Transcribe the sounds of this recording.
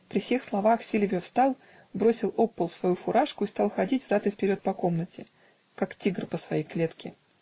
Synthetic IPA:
pɾʲɪfsʲe̞xslˠɐvaxsʲilʲvʲɪjəfst̪ɑlˠ | bɾo̞sʲɪlˠo̞pːəlˠsvɐjufʊɾʔaʂkʊist̪ɑlˠxɐdʲitʲvzat̪ɨfpʲɪɾʲo̞t̪̚pɐko̞mnətʲɪ | kaktʲiɡrpəsvɐjejklʲet̪kʲɪ

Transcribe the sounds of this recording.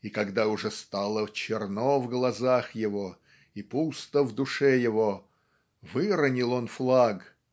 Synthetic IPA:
ikɐɡd̪aʊʐɛst̪alˠət͡ɕɪrnovɡlˠɐzaxjɪvo | ipust̪əvd̪ʊʂɛjɪvo | vɨɾənʲɪlˠo̞nflˠaɡ

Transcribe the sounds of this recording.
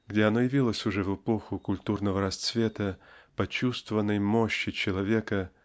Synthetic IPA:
ɡdʲeɐnojɪvʲilˠəsʲʊʐɛvɨpo̞xʊkʊlʲt̪urnəvəɾɐst̪svʲet̪əpɐt͡ɕust̪vəvənːəjmo̞ɕːɪt͡ɕɪlˠɐvʲekə

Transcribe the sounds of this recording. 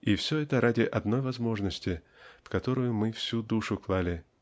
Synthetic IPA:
ifsʲoɛt̪əɾadʲɪʔɐd̪no̞jvɐzmo̞ʐnəsʲtʲɪ | fkɐt̪o̞ɾʊjʊmɨfsʲud̪uʂʊklˠalʲɪ

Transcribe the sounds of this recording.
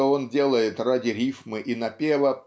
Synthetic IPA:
oo̞ndʲe̞lˠəjɪt̪radʲɪɾʲifmɨʔinɐpʲevə

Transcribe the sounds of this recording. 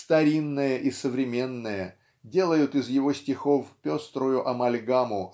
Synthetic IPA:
st̪ɐɾʲinːəjəʔisəvɾʲɪmʲe̞nːəjə | dʲe̞lˠəjʊt̪ɪzjɪvo̞sʲtʲɪxo̞fpʲo̞st̪ɾʊjʊʔɐmɐlʲɡamʊ

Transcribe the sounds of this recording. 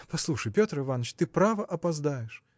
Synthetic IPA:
pɐslˠuʂəjpʲot̪ɾɨvanːət͡ɕt̪ɨpɾavəʔɐpɐzd̪ajɪʂ

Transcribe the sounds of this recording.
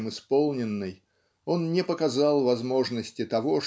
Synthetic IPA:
mɨspo̞lˠnʲɪnːɨj | o̞nnʲɪpəkɐzɑlˠvɐzmo̞ʐnəsʲtʲɪt̪ɐvo̞

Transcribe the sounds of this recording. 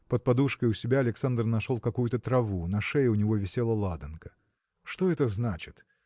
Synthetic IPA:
pət̪̚pɐd̪uʂkəjʊsʲɪbʲaɐlʲɪksand̪rnɐʂolˠkɐkujʊt̪ət̪ɾɐvunɐʂɛjʊnʲɪvovʲɪsʲelˠəlˠad̪ənkə̥ | ʂt̪oɛt̪əznat͡ɕɪt̪

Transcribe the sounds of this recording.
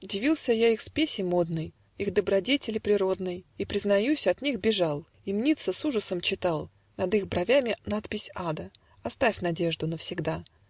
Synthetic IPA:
dʲɪvʲilˠsʲəjaixspʲesʲɪmo̞d̪nɨj | ixd̪əbɾɐdʲetʲɪlʲɪpɾʲɪɾo̞d̪nɨjipɾʲɪznɐjusʲɐt̪nʲixbʲɪʐɑlˠ | ɪmnʲit̪səsuʐəsəmt͡ɕɪt̪ɑlˠ | nɐd̪ixbɾɐvʲamʲɪnat̪pʲɪsʲad̪ə | ɐst̪afʲnɐdʲe̞ʐd̪ʊnəfsʲɪɡd̪a

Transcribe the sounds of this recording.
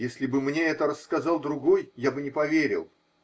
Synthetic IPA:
jesʲlʲɪbɨmnʲeɛt̪əɾəsːkɐzɑlˠd̪ɾʊɡojjabɨnʲɪpɐvʲeɾʲɪ̰lˠ

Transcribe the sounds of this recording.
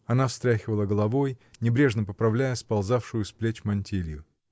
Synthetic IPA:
ɐnafst̪ɾʲaxʲɪvəlˠəɡəlˠɐvo̞jnʲɪbɾʲe̞ʐnəpəpɾɐvlʲæjəspɐlˠzafʂɨjʊsplʲet͡ɕmɐnʲtʲilʲjʊ

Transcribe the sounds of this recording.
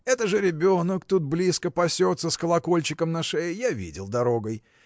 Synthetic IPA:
ɛt̪əʐɨɾʲɪbʲo̞nəkt̪ut̪̚blʲiskəpɐsʲo̞t̪səskəlˠɐko̞lʲt͡ɕɪkəmnɐʂɛjjavʲḭdʲɪ̰lˠd̪ɐɾoɡəj

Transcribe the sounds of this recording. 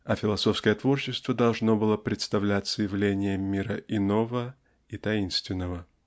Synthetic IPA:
ɐfʲɪlˠɐso̞fskəjət̪vo̞rɕɪst̪vəd̪ɐlˠʐno̞bɨlˠəpɾʲɪt̪st̪ɐvlʲætʲsəjɪvlʲenʲɪjəmʲːiɾəʔɪnovə | it̪ɐinst̪vʲɪnːəvə

